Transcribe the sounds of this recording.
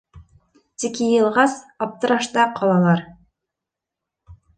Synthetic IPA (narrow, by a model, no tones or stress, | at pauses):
t̪ikɘjɤ̆lˠʁɑsɑp̚t̪ɤ̆ɾɑʃt̪ɑqʰɑlˠɑlˠɑɾ